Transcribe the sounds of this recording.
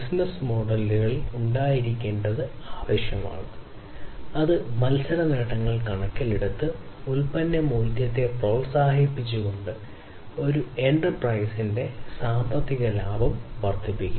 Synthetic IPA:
bisnɐsmo̞ːɽɐlːɣɐɭuɳɖaːjiɾikʲːe̞ːɳɖɐðɨ | aːʋeːɕjɐma̰ːɳɨ | ɐðɨmɐlsɐɾɐneːʈːɐŋːɐɭkɐɳɐkʲːɐleɽut̪ːɨulpɐnːɐmuːd̪jɐt̪ːe̞pro̞ːɭsaːhipːit͡ɕːuɣo̞ɳɖɨ | o̞ɾue̞ɳʈɐrprɐjsinde̞saːmbɐt̪ːiɣɐlaːbɐmʋɐrt̪ʰːipːikʲːu

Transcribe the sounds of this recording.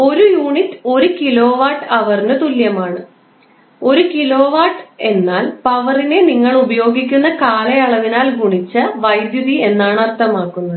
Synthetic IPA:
o̞ɾujuːɳitːo̞ɾukilo̞ːʋaːʈːɐʋɐrinɨt̪uljɐmaːɳɨ | o̞ɾukilo̞ːʋaːʈe̞nːaːlpɐʋɐrine̞niŋːɐɭubɐjo̞ːɡikʲːunːɐkaːlɐjɐɭɐʋinaːlɡʱuɳit͡ɕːɐʋɐjd̪juðie̞nːaːɳɐrt̪ʰɐmaːkːunːɐðɨ

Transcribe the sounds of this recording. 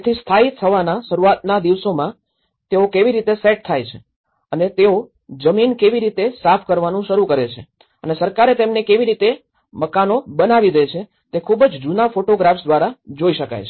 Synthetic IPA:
t̪ʰist̪ʰait̪ʰtʰːəʋanaʃəɾuat̪nad̪iʋsomã | t̪eokeʋiɾit̪eseʈ̚t̪ʰajt͡ʃʰe̥ | ənet̪eo | d͡ʒəminkeʋiɾit̪esapʰkəɾʋanũʃəɾukəɾet͡ʃʰe | ənesəɾkaɾet̪emnekeʋiɾit̪e | məkanobənaʋid̪et͡ʃʰe | t̪ekʰubd͡ʒd͡ʒunafoʈoɡɾafsd̪ʋaɾad͡ʒoiʃəka̰jt͡ʃʰe

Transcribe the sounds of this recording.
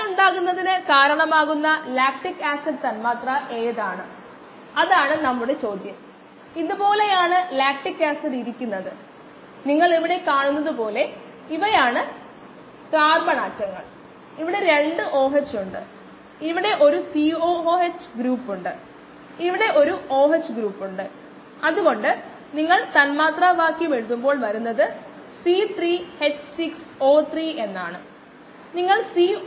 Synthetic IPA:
uɳɖaːɣunːɐðinɨkaːɾɐɳɐmaːɣunːɐlaːk̚ʈikːaːsɐdt̪ɐnmaːt̪rɐʔe̞ːðaːɳɨ | ɐðaːɳɨnɐmːuɽe̞t͡ɕo̞ːd̪ʱjɐm | iðubo̞ːle̞jaːɳɨlaːk̚ʈikːaːsɐðiɾikʲːunːɐðɨ | niŋːɐɭiʋiɽe̞kaːɳunːɐðɨpo̞ːle̞ | iʋɐjaːɳɨ | kaːrmɐɳaːtːɐŋːɐ̰ɭ | iʋiɽe̞ɾe̞ɳɖɨʔo̞ːɦet͡ɕːuɳɖɨ̰ | iʋiɽe̞ʔo̞ɾusio̞ːoːet͡ɕːɡɾuːpːuɳɖɨ | iʋiɽe̞ʔo̞ɾuo̞ːɦet͡ɕːɨɡɾuːpːuɳɖɨ | ɐðuɣo̞ɳɖɨ | niŋːɐɭt̪ɐnmaːt̪raːʋaːkːjime̞ɻuðumbo̞ːɭʋɐɾunːɐðɨ | sit̪riːhet͡ɕːsikso̞ːt̪riːʔe̞nːaːɳɨ | niŋːɐɭsiː

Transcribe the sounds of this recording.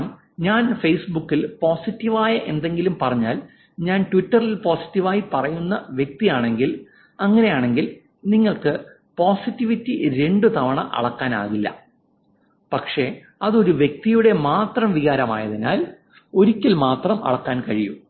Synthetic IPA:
m | ɲaːnfejsbukːilpo̞ːsitːiʋaːjɐʔe̞nd̪e̞ŋɡilumpɐrɐɲːaːl | ɲaːnʈʋitːɐrilpo̞ːsi̥tːiʋaːjipɐrɐjunːɐʋje̞k̚t̪ijaːɳe̞ŋɡil | ɐŋːɐne̞jaːɳe̞ŋɡil | niŋːɐɭkɨ | po̞ːsitːiʋitːiɾe̞ɳɖut̪ɐʋɐɳɐ̰ʔɐ̰ɭɐkːaːna̰ːɣilːɐ̰ | pɐkʂe̞ | ɐðo̞ɾuʋje̞k̚t̪ijuɽe̞maːt̪rɐmʋiɣaːɾɐma̰ːjɐðina̰ːl | o̞ɾikʲːilmaːt̪rɐmɐ̰ɭɐkːaːnkɐɻiju

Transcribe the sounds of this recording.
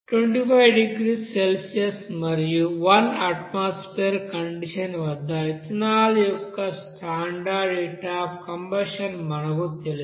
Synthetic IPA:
ʈʋeɳʈipʰɐjɖiɡɾiselsijɐsmɐɾijuʋɐnɐʈmaːspeːɾkɐɳɖiʂɐnʋɐd̪ːaːjit̪inaːlujɔkːɐsʈʰaːɳɖaːɖeːʈaːpkɐmbɐʂɐnmɐɳɐɡut̪eli

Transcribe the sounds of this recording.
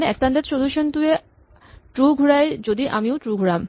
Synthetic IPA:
neɛkst̪and̪et̪ʃod̪uʃont̪ue | ʈɾuɡʱuɾaed͡ʑod̪iʔamioʈɾuɡʱuɽam

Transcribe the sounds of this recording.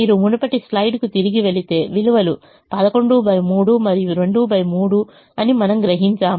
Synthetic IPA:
iːɾumunɐpɐʈislɐjɖkut̪iɾiɡiʋe̞ɭit̪e̞ːʋiluʋɐlu | pɐd̪ɐko̞ɳɖuːbɐjmuːɽumɐɾijuɾe̞ɳɖuːbɐjmuːɽu | ɐnimɐnɐmɡɾɐɦiɲt͡ʃaːm

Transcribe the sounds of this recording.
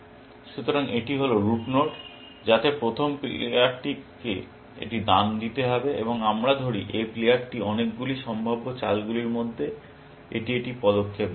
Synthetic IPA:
ʃut̪oɾaŋeʈiɦoloɾupnoʈ | d͡ʑat̪epɾot̪ʰompeaɾʈikḛ | ḛʈid̪and̪it̪eɦɔbeḛboŋamɾad̪ʱoɾiʔeplejaʈʈiɔnek̚ɡuliʃɔmbʱabːot͡ɕalɡuliɾmod̪ʱːe | ḛʈieʈipɔd̪okʰːep̚

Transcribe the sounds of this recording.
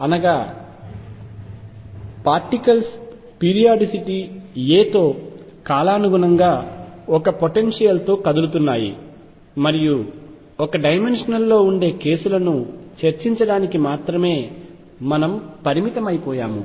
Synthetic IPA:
ɐnɐɡaː | paːɾʈikɐls | piːɾijaːɖisiʈieːt̪o̞ː | kaːlaːnuɡunɐŋɡaːɔkɐpoʈenʂijɐlt̪o̞ːkɐd̪ulut̪unːaːjḭ | mɐɾiju | ɔkɐɖɐjme̞nʂɐnɐlːo̞ːuɳɖe̞ːke̞ːsulɐnut͡ʃɐɾt͡ʃiɲt͡ʃɐɽaːnikimaːt̪ɾɐme̞ː | mɐnɐmpɐɾimit̪ɐmɐjipɔːja̰ːmṵ

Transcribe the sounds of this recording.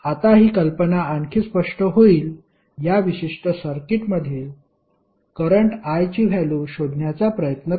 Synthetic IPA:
at̪aɦiːkəlpənaaŋkʰiːspəʂʈəɦoiːl | jaʋiɕiʂʈəsəɾkiʈməd̪ʱːiːl | kəɾəɳʈajt͡ɕiːʋ̤ʱæluɕod̪ʱɳjat͡sapɾəjət̪nə

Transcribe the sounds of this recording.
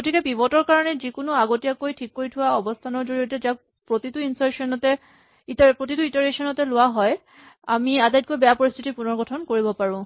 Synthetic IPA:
ɡotikɛpibɔtɔɹkaɹɔnɛzikʊnʊaɡotijakojtʰikːoɹitʰʊwaɔbɔstʰanɔɹzoɹijɔtɛzak̚ | pɹotituinsaɹsɔnɔtɛ | itpɹotituitaɹesɔnɔtɛlʊwaɦɔj | amiadajt̚kojbɛjapɔɹist̪ʰitipunɔɹɡɔtʰɔnkoɹibɔpaɹʊ̃

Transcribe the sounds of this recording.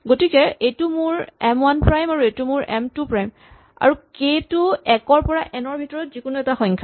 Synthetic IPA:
ɡotikɛejtumʊɹɛmwanpɹajmaɹuejtumʊɹɛ̰mtupɹajm | a̰ɹuketuɛkɔɹpɔɹaʔɛnɔɹbʱitɔɹɔtzikʊnuɛtaxɔŋkʰa

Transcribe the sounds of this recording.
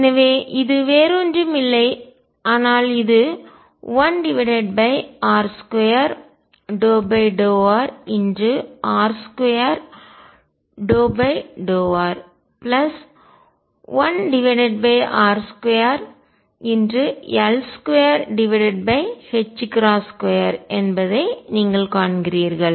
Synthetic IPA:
ɛnɐʋeːʔɪðɯʋeːɾoːndɯmɪlːɐɪ | aːnaːlɪðɯ | ʋɐnɖɪʋɪɽɛɖ̚bɐɪaːɾskojɐɾ | ɖoːbɐɪɖoːaːɾɪndrɯʔaːɾskejɐɾ | ɖoːbɐɪɖoːʋaːɾ | plɐs | ʋɐnɖɪʋɪɽɛɖ̚bɐɪʔaːɾskɔjɐɾ | ɪndrɯɛlskejɐɾɖɪʋɪɽɛɖ̚bɐɪhɛt͡ʃːkɾaːskɔjɐɾɛnbɐðɐɪniːŋɡɐɭkaːɳɡɪɾiːɾɣɐɭ

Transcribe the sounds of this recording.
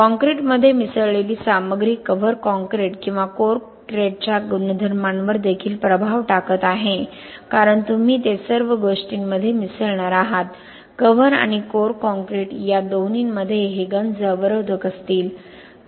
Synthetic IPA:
kɔ̃ŋkɾeʈməd̪ʱːjemisəɭɭeliːsaməɡɾiːkːəʋəɾkɔ̃ŋkɾeʈkĩw̃ʋakoɾ | kɾeʈ̚t͡ɕjaɡunəd̪ʱəɾmanʋəɾd̪ekʰiːlpɾəbʱaʋʈakət̪aɦe | kaɾəɳt̪um̤iːt̪esəɾʋəɡoʂʈiːnməd̪ʱːjemisəɭɳaɾaɦat̪ | kəʋəɾa̰ɽ̃ikoɾkɔ̃ŋkɾeʈjad̪oniːnməd̪ʱːjeɦeɡənd͡zəʋəɾəʋd̪ʱəkəst̪iːl

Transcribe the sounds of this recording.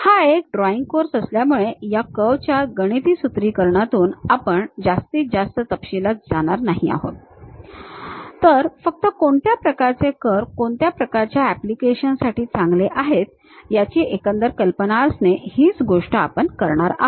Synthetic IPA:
haekɖɾɔiŋɡ̚koɾsəsljamuɭejakəʋt͡ɕjaɡəɽ̃it̪iːsut̪ɾiːkəɾɳat̪uːnapəɳd͡zast̪iːd͡zast̪ət̪əpɕilat͡sd͡zaɽ̃aɾnaɦia̰ɦo̰t̪ | t̪əɾfək̚t̪əkoɳt̪japɾəkaɾt͡sekəɾkoɳt̪japɾəkaɾt͡ɕjaæplikeɕənsaʈiːt͡sãŋɡleʔaɦet̪̚ | jat͡ɕiːʔekə̃nd̪əɾkəlpənaəsnehiːt͡sɡoʂʈəapəɳkəɾɳaɾa̰ɦ

